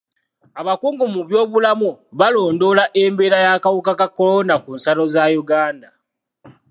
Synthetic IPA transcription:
aβakuːŋɡumuβjo̞ːβulamuβalo̞ːndo̞laʔe̞mbe̞ːɾajakawukakakːo̞lo̞nakunsalo̞zajuɡaːnda

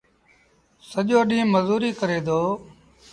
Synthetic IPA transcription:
səʄoːɗĩːməzuːɾiːkəɾeːd̪oː

